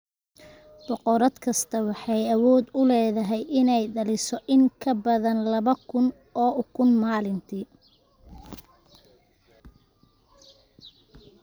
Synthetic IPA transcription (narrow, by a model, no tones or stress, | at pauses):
b̥ɔqɔɾɐd̪kʰɐst̪ʰɐwɑħɑjɐwɔːd̪ʊlɛːðɐɦɛjʔɪnɛjɖɐlɪsɔʔɪŋkʰɐbɐðɐnlɐβɐkʰʊn | ɔːʊkʰʊnmaːlɪnt̪ʰiː